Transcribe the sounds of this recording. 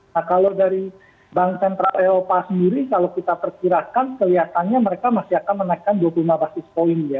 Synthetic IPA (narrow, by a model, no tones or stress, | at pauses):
nahkalodaɾi | baŋsɛnt̪ɾaleɾopasəndiɾikalokit̪apərkiɾakankəliɦat̪anɲaməɾekamasiakanmənajkanduapulumabasɪspoɪnja